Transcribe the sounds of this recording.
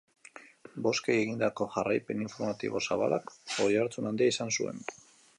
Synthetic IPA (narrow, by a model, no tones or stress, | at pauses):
bo̞skeje̞ɣind̪ako̞ʝarajpe̞niɱfo̞ɾmat̪ḭβo̞saβa̰lakojaɾt͡sunand̪iaisansue̞̰n